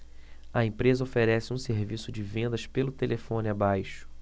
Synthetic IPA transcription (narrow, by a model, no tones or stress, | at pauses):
ɐẽpɾezɐofeɾɛsɪũseɾvisʊd͡ʒɪvẽnd̪ɐʃpelʊt̪elʔefõnɪabajʃʊ̥